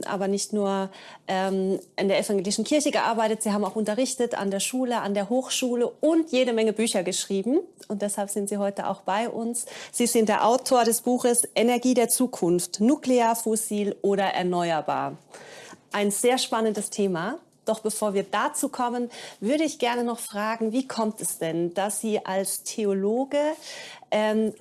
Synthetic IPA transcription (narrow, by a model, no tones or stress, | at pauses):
ʔa̰ːbɐnɪçtnuːɐ | ʔɛːmʔɪndeːɐɛfaŋɡeːlɪʃn̩kʰɪɐçəɡəʔa̰ɐbaɪtətz̥iːhaːbm̩aʊxʔʊntɐʁ̞ɪçtəta̰ndeːɐʃuːləʔandeːɐɦoːxʃuːləʊntjeːɾəmɛŋəbyːçɐɡəʃʁ̥iːbm̩ | ʔʊnt̚d̥ɛshalpz̥ɪntz̥iːhɔʏtəʔa̰ʊxb̥aɪʔʊ̰nsz̥iːzɪnt̚d̥eːɐʔaʊtʰoːɐɾɛsb̥uːxəsʔenɛɐɡiːdeːɐt͡suːkʰʊnftnuːkleaːɐfosiːlʔoːɾɐʔɛ̰ɐnɔʏɐba̰ːɐ | ʔaɪnz̥eːɐʃpanəndəstʰeːma | d̥ɔχb̥əfoːɐviːɐdat͡suːkʰɔmənvʏɐɾəɪçɡ̥ɛɐnənɔχfʁ̥aːɡŋ̩viːkʰɔmtʰɛsd̥ɛnd̥asz̥iːʔalstʰeoloːɡəʔɛːm